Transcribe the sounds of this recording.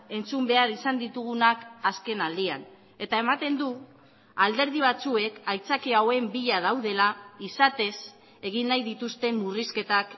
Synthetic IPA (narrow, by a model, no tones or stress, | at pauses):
e̞nt͡sumbe̞aɾisand̪it̪uɣ̞unakaske̞nald̪ia̰n | e̞t̪ae̞mat̪e̞nd̪u | ald̪e̞ɾð̞iβ̞at͡sue̞kajt͡sakiawe̞mbiʎaðawðe̞laisat̪e̞s | e̞ɣinːajðit̪ust̪e̞mːuriske̞t̪ak